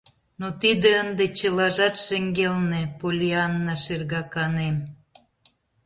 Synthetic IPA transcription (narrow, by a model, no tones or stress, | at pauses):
not̪id̪ĕənd̪et͡ɕəlɑʒɑt̪ʃeŋɡelnepolʲiɑnːɑʃerɣɑkɑnem